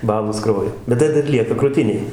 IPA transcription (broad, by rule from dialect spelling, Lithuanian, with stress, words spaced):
ˈbɑːlˠoːs ˈkrɐʊjoː bʲɛt ˈtɐɪ dɐr ˈlʲiɛkɐ krʊˈtʲɪnʲeːj